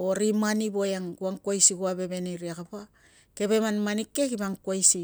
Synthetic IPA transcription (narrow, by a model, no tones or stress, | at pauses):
oɾimanibojaŋɡuaŋkwajsiɡuabe̞βe̞niɾiakapa | ke̞βe̞manmanikːekibaŋkuajsi